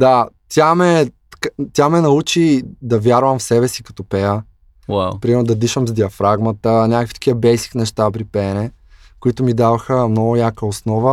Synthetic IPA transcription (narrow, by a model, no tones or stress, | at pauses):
d̪at̪ʲamɛ | kat̪ʲjamɛnɐut͡ʃid̪ɐvʲjaɾvəmfsɛbɛsikɐ̥t̪ɔpɛjə | wawpɾimɛɾnʊd̪ɐd̪iʃəmzd̪iɐfɾaɡmɐt̪ənʲakəkfit̪ɐ̥kʰʲiəbɛjsi̥knɛʃt̪ap̬ɾipɛnɛ | kʊit̪ʊmid̪avɐxəmnɔɡʊjakəosnɔvə